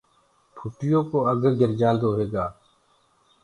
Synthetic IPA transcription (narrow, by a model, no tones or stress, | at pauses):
pʰuːʈɪjõːkoːəɡʱəɾɡɪɾd͡ʒãːnd̪oːɦeːɡaː